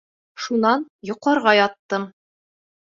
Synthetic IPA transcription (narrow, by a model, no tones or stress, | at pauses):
ʃunɑnjŏqɑɾʁɑjɒt̪ːɤm